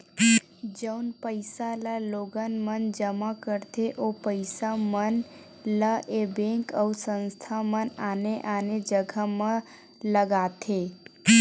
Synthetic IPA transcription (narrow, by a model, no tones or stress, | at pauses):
d͡ʒəunpəɪsalaloɡənmənd͡ʒəmakəɾt̪ʰeʔopəɪsamən | laʔebẽkəusə̃nst̪ʰamənaneʔaned͡ʒəɡʱamã | ləɡat̪ʰe